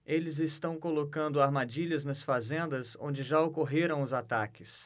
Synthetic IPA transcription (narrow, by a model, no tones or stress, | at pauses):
elɪzɪst̪ɐ̃w̃kolokɐ̃nd̪ʊaɾmad͡ʒiʎɐznɐsfazẽnd̪ɐzõ̰d͡ʒɪʒaokoɦeɾɐ̃w̃ʊzat̪akɪs